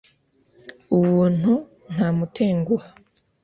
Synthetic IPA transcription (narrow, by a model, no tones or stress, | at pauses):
uwuːn̥hu | n̥hamutʰeːŋɡua